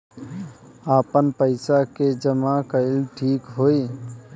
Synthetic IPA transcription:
apənpəɪsaked͡ʒəmakəɪlʈʰikɦoi

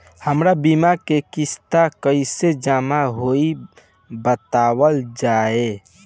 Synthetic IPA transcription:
həmɾabimakekist̪akəɪsed͡ʒamaɦoi | bət̪awəld͡ʒae

